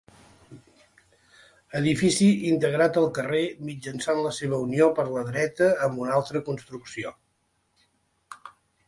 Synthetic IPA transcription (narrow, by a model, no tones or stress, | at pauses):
əðifisiint̪əɣ̞ɾat̪əlˠkəremid͡ʒənsanləseβ̞əuniopəɾləðɾɛt̪əːmbunalˠt̪ɾəkunst̪ɾuksio